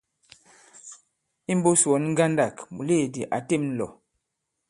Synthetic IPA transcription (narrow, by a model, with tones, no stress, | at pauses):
i˦m˦bo˦sɔ˨˦nŋ̩˦ɡa˦nda˨kmu˨le˦˨di˨ʔa˨te˦˨mn̩˨lɔ̰˨